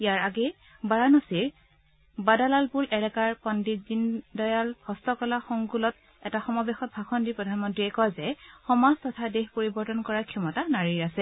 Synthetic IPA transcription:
ijaɹaɡɛ | baɹanɔsiɹ | badalalpulʔɛlɛkaɹpɔndizindɔjalhɔstɔkɔlaxɔŋkulɔt̚ | ɛtaxɔmɔbɛxɔt̚bʱaxʰɔndipɹɔdʱanmɔntɹiɛkɔjzɛxɔmaztɔtʰadexpoɹibɔɹtɔnkɔɹakʰɛmɔtanaɹiɹasɛ

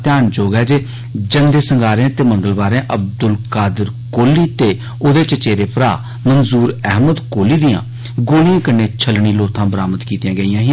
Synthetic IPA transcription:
t̪ɪjaːnd͡ʒoːɡɛːd͡ʒeː | d͡ʒənd̪eːsəŋɡaːɾẽt̪eːmə̃ŋɡəlʋaːɾẽːʔəb̚d̪ʊlkaːd̪əɾ | koːliːt̪eː | od̪eːt͡ʃət͡ʃeːɾeːpɾa̰ː | mənzuːɾɛɦməd̪koːliːd̪ɪjã̰ː | ɡoːlijãːkənːeːt͡ʃʰəlɳiːloːt̪ʰãːbəɾaːməd̪kiːt̪jãːɡəijãːɦɪ

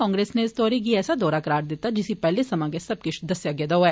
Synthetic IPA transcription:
ɔ̃ːŋɡɾeːsneɪst̪ɔːɾikiɛːsad̪ɔːɾakɐɾaːɾd̪eːt̪ad͡ʒɪsipɛɦlesɐmãɡesɐb̚kɪt͡ʃd̪ɐsjaɡed̪ɐoɦɛː

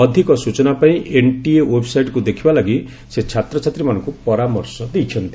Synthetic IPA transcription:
ɔd̪ʱikɔsut͡ʃɔnapaĩʔeɳʈiewebʱsajʈkud̪ekʰibalaɡi | set͡ʃʰat̪ɾɔt͡ʃʰat̪ɾimanɔŋkupɔɾamɔɾsɔd̪ejt͡ʃʰɔnt̪i

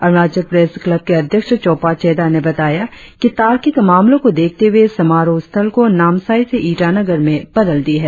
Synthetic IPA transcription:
ɐɾmaːd͡ʒəpɾeːsklɐb̚keɐd̪ʱjəkʃt͡ʃɔːpat͡ʃɛːd̪anebɐt̪aːja | kit̪aːɾkikmaːmlõkod̪eːk̚ʰt̪eɦuesɐmaːɾost̪ʰəlkonaːmsaːiseʔiːʈanɐɡəɾmẽb̥ɐd̪əld̪iɦɛː

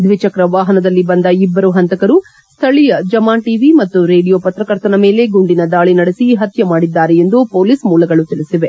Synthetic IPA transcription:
d̪ʋit͡ʃɐkɾɐʋaːɦɐnɐd̪ɐlːibɐnd̪ɐibːɐɾuɦɐnt̪ɐkɐɾu | st̪ʰɐɭijɐd͡ʒɐmaːnʈiːʋimɐt̪ːuɾe̞ːɖijoːpɐt̪ɾɐkɐɾt̪ɐnɐme̞ːle̞ɡuɳɖinɐd̪aːɭinɐɽesiɦɐt̪jɐmaːɽid̪ːaːɾejend̪upo̞ːliːsmuːlɐɡɐɭut̪iɭisiʋe

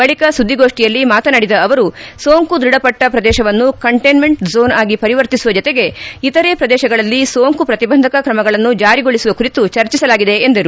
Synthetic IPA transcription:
bɐɭikɐsud̪ʱːiɡo̞ːʂʈijɐlːimaːt̪ɐnɐɽid̪ɐːʋɐɾusoːŋkud̪ɾiɽɐpɐʈːɐpɾɐd̪ɛːʃɐʋɐnːukɐɳʈejnme̞ɳʈzo̞ːnaːɡipɐɾiʋɐɾt̪isuʋɐd͡ʒɔt̪eɡe̞it̪ɐɾeːpɾɐd̪ɛːʃɐɡɐɭɐlːisoːŋkupɾɐt̪ibɐnd̪ʱɐkɐkɾɐmɐɡɐɭɐnːud͡ʒaːɾiɡoɭisuʋɐkuɾit̪ut͡ʃɐɾt͡ʃisɐlaːɡid̪e̞ːnd̪ɐɾu

